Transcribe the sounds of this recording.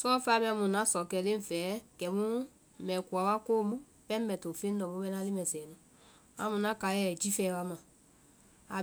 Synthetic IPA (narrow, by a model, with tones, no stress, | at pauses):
sɔ˦fa˧˦mɛ̃˧ã˧mũ˨nã˦sɔ˨kɛ˧˨lẽ˦˨fɛ˨˦kɛ˨mũ˦ | mɛ̃˨ku˨a˨˦wa˦ko˦mũ˦ | pɛ̃˦m˦mɛ˨to˨fẽ˦n˦dɔ˨mũ˦bɛ˧˦na˦li˦mɛ̃˨sɛ˨nũ˨ | a˧mũ˧nã˦ka˨˦jɛ˦˨d͡ʒi˦fɛ˧˦wa˦mã˨ | a˨